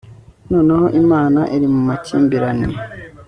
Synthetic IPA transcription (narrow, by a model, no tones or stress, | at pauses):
no̞ːneho̞ʔimaːnaʔiɾimumaciːmbiɾani